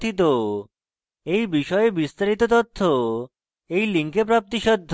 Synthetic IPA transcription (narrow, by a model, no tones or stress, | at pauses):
t̪it̪̬o | ejbiʃɔebist̪aɾit̪ot̪ot̪ʰːo | ejliŋkepɾap̚t̪iʃɔd̪ʱ